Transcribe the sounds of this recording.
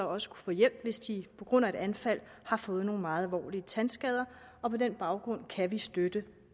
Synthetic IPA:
ɒ̽sə̥kʰu̥fɔ̰̽ːjel̰b̥ʋe̝sd̥ipʰɒ̽ɡ̥ʁɔ̽n̰æe̝d̥ænfæl̰hɑ̈fɔ̽ːð̞̩ˠno̝ːn̩mɑ̈ːð̩ˠælʋɒ̰ːliət͡sʰænsɡ̥ɛð̞ˠɐ | ɒ̽pʰɒ̽d̥enb̥ɑ̈ʊɡ̥ʁɔ̽n̰kʰæʋisd̥ød̥ə

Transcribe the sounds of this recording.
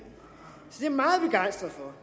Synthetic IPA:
sɒd̥e̝ɐmɑ̈ːð̩ˠb̥eɡ̥äɪnsd̥ʁɐðˠfɒ

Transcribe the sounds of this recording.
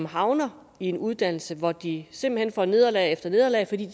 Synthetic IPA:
mhɑ̈ʊnɐ | ie̝nuð̞ˠd̥æn̰l̩səʋɒd̥ise̝mb̥l̩henfɒne̝ðˠɐlɛ̰ɪefd̥ɐne̝ðˠɐlɛ̰ɪfɒd̥ḭ̥ː

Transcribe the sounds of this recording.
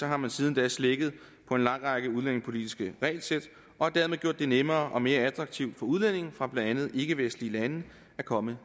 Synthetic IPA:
sɒ̽ɦɑ̈mænsiːð̞ˠn̩d̥ɛ̰sleɡ̥ð̞̩ˠ | pʰɒ̽e̝nlɑ̈ŋ̰ʁɑ̈ɡ̥əuðˠlene̝ŋspʰo̝lid̥isɡ̥əʁɛ̰ɪlsed̥ | ɒ̽hɑ̈d̥æɐme̝ðˠɡjo̝̰d̥ːe̝nemɐːʔɒ̽me̝ːɐæd̥ʁɑ̈ɡ̥̚t͡sʰiʊd̥fɒ̽uð̞ˠlen̰e̝ŋ̩fʁɑ̈b̥lænd̥ænð̞̩ˠe̝ɡ̥əʋesn̥̩lilænə | ækʰɒ̽mə

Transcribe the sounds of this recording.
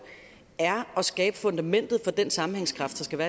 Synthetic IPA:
æɐɒ̽sɡ̥ɛ̰ːb̥əfɔ̽nd̥æmen̰d̥ð̞̩ˠfɒ̽d̥ensɑ̈mm̩heŋskʰʁɑ̈fd̥ɑ̈sɡ̥æʋæːɐ

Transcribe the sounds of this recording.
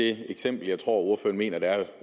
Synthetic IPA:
e̝eɡ̥sem̰b̥l̩jɑ̈ɪt͡sʰʁo̝̰ɐ̰uɐfø̰ːɐnme̝̰ːnɐd̥eæɐ

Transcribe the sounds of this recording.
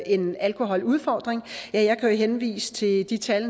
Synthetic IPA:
e̝nælkʰo̝ɦɒ̽luð̞ˠfɒːd̥ʁeŋjæjɑ̈ɪkʰæjo̝ɦenʋḭːsə̥t͡sʰe̝d̥it͡sʰæl

